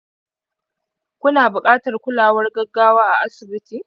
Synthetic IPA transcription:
kʷʊ˦naː˨bʊ˨kʼaː˦tɐ˨rkʷʊ˦laː˨wɐ˦rɡɐ˦ɡːaː˦waː˦ʔa˨ʔa˦sɪ˨bɪ˦tiː˨

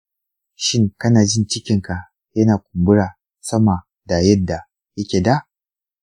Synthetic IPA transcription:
ʃɪ˦ŋkɐ˦naː˨d͡ʒɪ˦nt͡ʃɪ˦kʲɪ˨ŋka˨ | jɐ˦naː˨kʷʊ˨mbʊ˦ɽaː˨ | sɐ˦ma˨ | da˨jɐ˦dːa˨ | jɐ˦kʲeː˨da˦˨ʔ

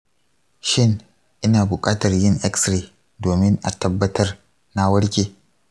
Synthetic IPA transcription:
ʃɪ˦˨ŋ | ʔɪ˦naː˨bʊ˨kʼaː˦tɐ˨rjɪ˦ŋʔɛ˦ksɾeː˨ | doː˨mɪ˦ŋʔa˨tɐ˦bːɐ˦tɐ˦r | na˦wɐ˦ɽkʲeː˨

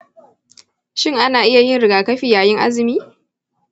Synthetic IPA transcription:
ʃɪ˦ŋʔa˦naː˨ʔɪ˦ja˨jɪ˦nɽɪ˨ɡaː˨kɐ˦ɸiː˨jaː˨jɪ˦ŋʔa̰˦zɪ˨miː˦

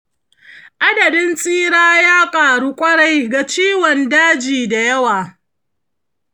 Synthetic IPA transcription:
ʔa˦dɐ˨dɪ˦nsʼiː˦ɽaː˦jaː˦kʼaː˨ɽu˦kʷʼɐ˦ɽa˨jɡa˨t͡ʃiː˦wɔ˨ndaː˦d͡ʒiː˨da˨jɐ˦waː˨

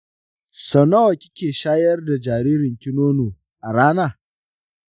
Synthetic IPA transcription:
sɔ˨na˦wo˨kʲɪ˦kʲeː˨ʃaː˦jɐ˦rda˨d͡ʒaː˨ɾiː˦ɾɪ˨ŋkʲɪ˦noː˦noː˨ | ʔa˨ɽaː˦naː˦˨

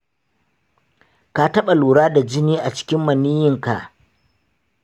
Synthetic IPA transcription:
ka˨tɐ˦ɓa˨luː˨ɽaː˦da˨d͡ʒɪ˦niː˦ʔa˨t͡ʃɪ̥˦kʲɪ˦mːɐ˨niː˦jɪ˦ŋka˨ʔ

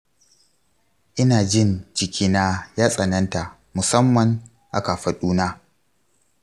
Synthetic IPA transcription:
ʔɪ˦naː˨d͡ʒɪ˦˨nd͡ʒɪ˨kʲiː˦na˦jaː˦sʼɐ˨nɐ˦nta˨ | mʊ˨sɐ˦mːɐ˨ŋ | ʔa˦ka˨ɸɐ˨ɗuː˦naː˦

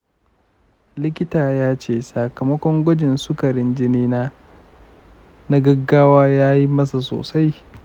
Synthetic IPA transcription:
lɪ˦kʲɪ˦taː˨jaː˦t͡ʃeː˦˨saː˨kɐ˨mɐ˦kʷɔ˦ŋɡʷɐ˦d͡ʒɪ˨nsʊ˦kɐ˨ɾɪ˦nd͡ʒɪ˦niː˦naː˦ | na˦ɡɐ˦ɡːaː˦waː˦jaː˦ji˦mɐ˦sa˨so̰ː˨sa˦j

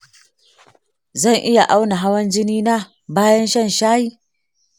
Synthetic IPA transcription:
zɐ˦˨ŋʔɪ˦ja˨ʔa˦wna˨ɦa˦wɐ˦nd͡ʒɪ˦niː˦na˦ | baː˦jɐ˦nʃɐ˦˨nʃaː˦jiː˦

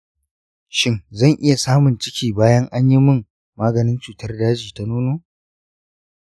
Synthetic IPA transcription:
ʃɪ˦ŋzɐ˦˨ŋʔɪ˦ja˨saː˦mʊ˨nt͡ʃɪ˦kʲiː˨baː˦jɐ˦ŋʔa˦ɲji˦mʊ˦˨m | maː˦ɡɐ˨nɪ˦nt͡ʃuː˨tɐ˦rdaː˦d͡ʒiː˨ta˦nuː˦noː˦

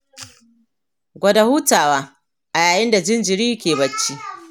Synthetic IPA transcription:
ɡʷɐ˨da˨huː˦taː˨waː˦ | ʔa˨jaː˨jɪ˦nda˨d͡ʒɪ˦nd͡ʒɪ˨ɽiː˦kʲeː˨bɐ˦t͡ʃːi˦

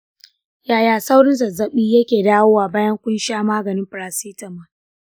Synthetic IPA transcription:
jaː˨jaː˨sa˦wɽɪ˦nsɐ˨zɐ˦ɓiː˦jɐ˦kʲeː˨daː˦woː˦waː˨baː˦jɐ˦ŋkʷʊ˦nʃaː˦maː˦ɡɐ˨nɪ˦mɸɾa˨siː˦tɐ˨mːa˨

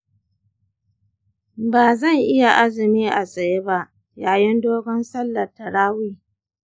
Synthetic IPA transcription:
baː˨zɐ˦˨ŋʔɪ˦ja˨ʔa˦zɪ˨miː˦ʔa˨sʼɐ˨je˦ba˦ʔ | jaː˨jɪ˦ndoː˦ɡɔ˦nsɐ˦lːɐ˨tɐ˨ɽaː˦wiː˦

